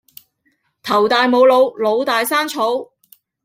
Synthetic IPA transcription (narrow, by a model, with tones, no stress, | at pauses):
t̪ʰɐ˨˩wt̪aː˨jmo˨˧wlo˨˧wlo˨˧wt̪aː˨jsaː˥nt͡ʃʰo˨˥w